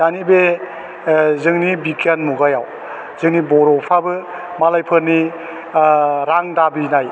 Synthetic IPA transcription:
d̥anibe | zɯŋnibikanmuɡajaw | z̥ɯŋnibɔɾɔpʰabɯ | malajpʰɯɾni | ɾaŋdabinaj

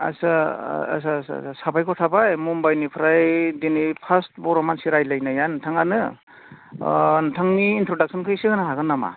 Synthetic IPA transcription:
a̰saa̰s̬asa̰sasabajkʰɔtʰabajmumbajnipʰɾajdinipʰastbɔɾɔmansiɾajlajnajantʰaŋanɯ | ntʰaŋniːntʰɾodak̚sɔnkʰɯjsɯɯnaɦaɡɯnːama̰

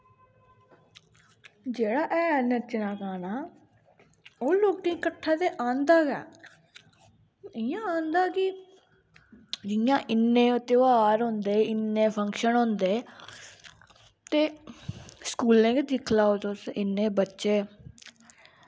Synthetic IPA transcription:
d͡ʒeːɽaːʔɛːnət͡ʃnaːkaːnaː | oːloːk̚ʈĩkəʈʰːaːt̪eːʔãːnd̪aːɡɛ̰ː | ɪjãːãːnd̪aːkɪ | d͡ʒɪjãːʔɪnːẽːt̪ɪʋaːɾɦʊ̃nd̪eːɪnːẽːpʰəŋkʃənɦʊ̃nd̪eː | t̪eː | skuːlẽːkɪd̪ɪkʰlaːoːt̪osɪnːẽːbətːʃeː

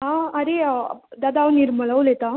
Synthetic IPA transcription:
aɐɾed̪ɐd̪awniɾmɐɭɐwlet̪a

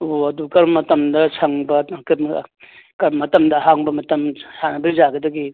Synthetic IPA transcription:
oɐdukɐɾmɐtɐmdɐsʰɐŋbɐkm | kɐɾmɐtɐmdɐɦaŋbɐmɐtɐmsanɐbɐzaɡɐdɐɡi

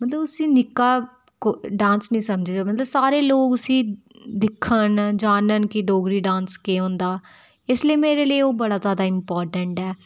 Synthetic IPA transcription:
mət̪ləbʊsĩːnɪkːaː | koɖãːnsnəĩːsəmd͡ʒeːaːmət̪ləbsaːɾeːloːɡʊsĩː | d̪ɪkʰːənd͡ʒaːnənkɪɖoːɡɾiːɖãːnskeːõːnd̪aː | ɪsləiːmeːɾeːləiːoːbəɽaːzjaːd̪aːɪmpɔːɾʈəɳʈɛː

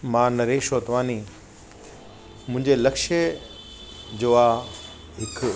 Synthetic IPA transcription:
mãːnɐɾeːʃoːt̪ʋaːni | mʊ̃ɦɪ̃ɲd͡ʑelɐkʃə | d͡ʑoːa | ɦɪk

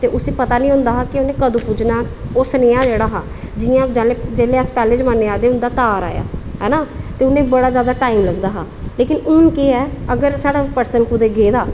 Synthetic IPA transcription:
t̪eːʔʊseːpət̪aːnĩːɦʊ̃nd̪aːɦaːkɪʊnẽːkəd̪ũːpuːd͡ʒnaːʊsneːãːd͡ʒeːɽaːɦaː | d͡ʒɪãːd͡ʒɛːleːd͡ʒeːleːəspɛːleːd͡ʒmənːeːaːd̪eːʊnd̪aːt̪aːɾa̰ːja̰ːɦɛːnaːt̪eːʊnẽːbəɽaːzjaːd̪aːʈaːimləɡd̪aːɦaːleːkɪnʊnkeːɛːəɡəɾsaːɽaːpəɾsənkʊd̪eːɡeːd̪aː

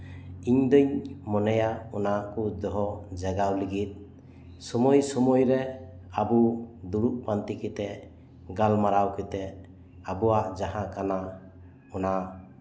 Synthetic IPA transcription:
iɲd̪ɯɲmɔnajaɔnakud̪ɔɦɔd͡ʒaɡawliɡit̪̚ | sɔmɔjsɔmɔjɾɛ | abud̪uɾuʔ̚pant̪ikit̪ɛ | ɡalmaɾawket̪ɛ | abuwaʔd͡ʒaɦãkana | ɔna

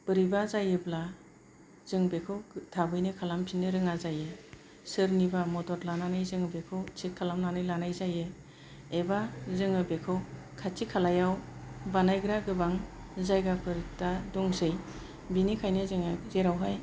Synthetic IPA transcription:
b̥ɯɾibazajɯbla | z̥ɯŋbekʰɯwtʰabɯjnɯkʰalampʰinɯɾɯŋazajɯ | sɯɾnibamɔtɔɾlananɯjzɯŋɯbekʰɯwt͡ʃʰit̚kʰalamnanɯjlanajzajɯ | ebazɯŋɯbekʰɯw | kʰatikʰalajawbanajɡɯɾaɡɯbaŋ | zajɡapʰɯɾtadɔŋsɯj | binikʰajnɯzɯŋazeɾawɦaj

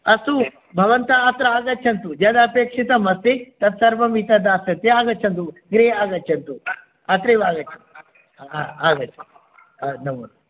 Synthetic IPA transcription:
ɐsu | bʱɐʋɐnt̪ɐaːt̪ɾɐaːɡɐt͡ʃʰɐnt̪ud͡ʒɐd̪ɐːpeːkʂit̪ɐmɐt̪ːet̪ɐt̪sɐɾʋɐmit̪ɐd̪aːsɐt̪ːeaːɡɐt͡ʃʰɐnt̪uɡɾeːaːɡɐtːt͡ʃʰɐnt̪u | aːt̪ɾeʋaːɡɐt͡ʃʰɐn | aaːɡɐt͡ʃʰɐnt̪u̥ | nɐmun

